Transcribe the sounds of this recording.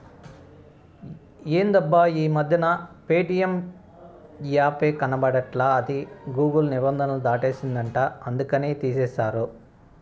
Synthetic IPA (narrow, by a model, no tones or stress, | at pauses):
eːnd̪ɐbːaːiːmɐd̪ʱjɐnɐpeːʈijɐm | jaːpeːkɐnɐbɐɽɐʈlaːɐd̪iɡuːɡɐlnibɐnd̪ʱɐnɐlud̪aːʈe̞ːsind̪ɐɳʈaːɐnd̪ukɐneːt̪iːseːʃaːɾu